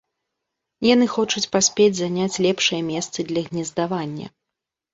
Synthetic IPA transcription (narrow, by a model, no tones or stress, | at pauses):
janɨxɔt͡ʂut͡sʲpasʲpʲed͡zʲzanʲat͡sʲlʲɛpʂɨjɐmʲɛst̪sɨd̪lʲɐɣnʲɛzd̪avanʲːɐ̰